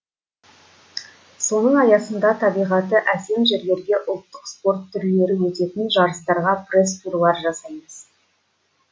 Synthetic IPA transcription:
so̞nəɴɑjɑsənd̪ɑt̪ʰɑbijʁɑt̪əʔæse̞mʒeɾle̞ɾɡʲe̞ʔʊlˠt̪ːəqspo̞ɾt̪ʰːʏɾle̞ɾɪwɵt̪e̞t̪ɪnʒɑɾəst̪ɑɾʁɑpre̞st̪uɾlˠɑɾʒɑsɑjməz̥

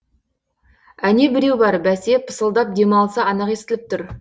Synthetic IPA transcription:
æne̞bɪɾe̞wbɑɾbæse̞pʰə̥səlˠd̪ɑp̚d̪e̞mɑlˠsɑɑnɑqe̞st̪ɪlɪp̚t̪ʰʊɾ

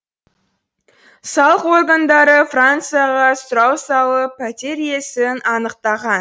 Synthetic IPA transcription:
sɑlˠəqo̞rɡand̪ɑɾəfrant̪sɨjaʁɑsʊɾɑwsɑlˠəpʰæt̪ʲeɾje̞sɪnɑnəqt̪ɑʁɑn

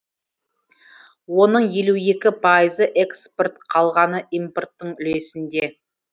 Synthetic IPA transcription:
wo̞nəɴje̞lue̞kʲɪpʰɑjəzəʔe̞kspo̞rt̪qʰɑlˠʁɑnəʔijmport̪ːəɴʏle̞sɪnd̪e

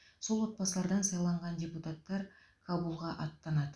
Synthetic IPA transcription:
so̞lˠwo̞t̪̚bɑsəlˠɑɾd̪ɑnsɑjlˠɑɴʁɑndʲe̞put̪at̪ːɑɾ | kʰabulˠʁɑʔɑt̪ːɑnɑd̪ə

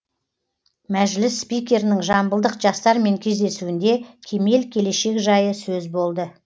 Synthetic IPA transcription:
mæʒlɪsːpijkʲe̞ɾɪnɪŋʒɑmbəlˠd̪əqʒɑst̪ɑɾme̞ŋkʲʰe̞zd̪e̞suɪnd̪e̞kʲʰe̞me̞lkʲʰe̞le̞ʃe̞kʒɑjəsɵzbo̞lˠd̪ə

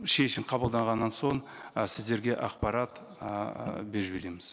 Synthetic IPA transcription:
ʃe̞ʃɪmqʰɑbəlˠd̪ɑɴʁɑnːɑnso̞ɴ | sɪzd̪e̞ɾɡʲe̞ʔɑqpɑɾɑt̪ | be̞ɾʒbe̞ɾe̞mɪz̥

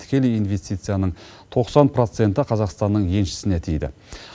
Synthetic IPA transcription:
t̪ʰɪ̥kʲe̞lɪjinve̞st̪ijt̪sɨjanəɴ | t̪ʰo̞qsɑnpʰɾo̞t̪se̞nt̪ɪqʰɑzɑqst̪ɑnːəɴje̞nʃɪ̥sɪnet̪ʰijd̪ɪ̰

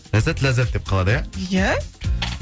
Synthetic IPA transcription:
læzæt̪læzæt̪̚d̪ep̚qʰɑlˠɑd̪əjajæ

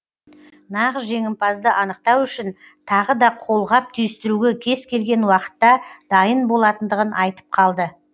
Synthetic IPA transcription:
nɑʁəsʒe̞ŋɪmpʰɑzd̪əʔɑnəq̚t̪ɑwʏʃɪn | t̪ʰɑʁəd̪ɑqʰo̞lˠʁɑp̚t̪ʰʏjɪst̪ɪɾuɡʲekʲʰe̞zkʲʰe̞lɡʲe̞nwɑqə̥t̪ːɑd̪̥ɑjənbo̞lˠɑt̪ənd̪əʁənʔɑjt̪ə̥p̚qʰɑlˠd̪ə

